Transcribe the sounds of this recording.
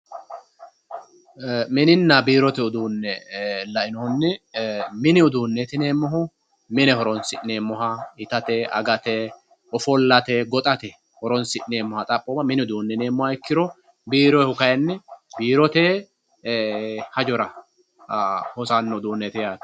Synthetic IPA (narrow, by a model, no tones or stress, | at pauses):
mɪnɪnːɐbiːɾɔt̪ɛʊd̪uːnːɛlɐʔɪnɔhʊnːɪmɪnɪʊd̪uːnːet̪ɪne̞ːmːɔɦʊ | mɪnɛhɔɾɔnsɪʔne̞ːmːɔɦɐɪt̪ɐt̪ɛɐ̰ɡɐt̪ɛ | ɔfɔlːɐt̪ɛɡɔt̪ʼɐt̪ɛ | hɔɾɔnsɪʔneːmɔhɐt̪ʼɐpʼːɔːmɐmɪnɪʊd̪uːnːɛne̞ːmːɔhɐɪkːɪɾɔ | biːɾɔɛhʊkɐjɐnːɛbiːɾɔt̪eː | hɐd͡ʒɔɾɐ | hɔsɐnːɔʊd̪uːnːeːt̪ɪjaːt̪